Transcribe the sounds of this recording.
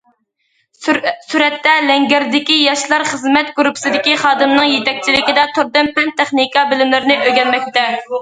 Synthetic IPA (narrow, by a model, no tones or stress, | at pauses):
suɾɛt̪ːɛlɛŋɡʲɛɾd̪ɪkʲijɑʃlˠɑɾχəzmɛt̪̚ɡuɾupʰsɨd̪ɪkʲiχɑːd̪ɨmnɨŋjet̪ɛk̚ʲt͡ʃʰilɪkʲid̪ɛt̪ʰuɾd̪ɨmpɛnt̪ʰɛχnikɑbɪlɪmlɪɾɪnɪʔøɡʲɛnmɛk̚ʲt̪ɛ